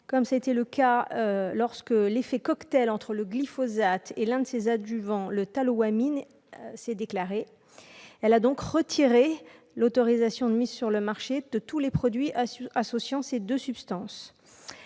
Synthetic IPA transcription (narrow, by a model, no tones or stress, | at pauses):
kɔmsaet̪ɛləkaølɔʁskəlefɛkɔkt̪ɛlɑ̃t̪χələɡlifɔzat̪elɛ̃d̪əsezad̪yvɑ̃lət̪alowamin | sɛd̪eklaʁe | ɛlad̪ɔ̃kʁət̪ʰiʁe | lot̪ɔʁizasjɔ̃d̪əmizsyʁləmaʁʃed̪̥ət̪ulepχɔd̪ɥiasɔsjɑ̃sed̪øsypst̪ɑ̃s